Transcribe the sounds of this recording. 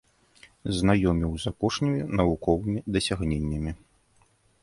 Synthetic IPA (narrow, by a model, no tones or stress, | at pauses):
znajɔmʲiwzapɔʂnʲimʲinɐvukɔvɨmʲid̪ɐsʲaɣnʲenʲːɐmʲi